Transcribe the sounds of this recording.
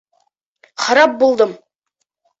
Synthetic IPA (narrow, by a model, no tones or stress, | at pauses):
χɑɾɑp̚bolˠd̪əm